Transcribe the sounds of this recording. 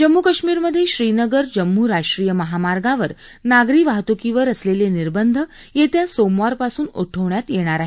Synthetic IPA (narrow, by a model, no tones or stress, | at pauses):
d͡ʑəmːukəɕmiːɾməd̪ʱːjeɕɾiːnəɡəɾd͡ʑəmːuːɾaʂʈɾiːjəməɦamaɾɡãʋəɾ | naɡɾiːʋaɦt̪ukiʋəɾəsleleniɾbənd̪ʱə | jet̪jasomʋaɾpasuːno̰ʈʰəʋɳjat̪jeɽ̃aɾaɦe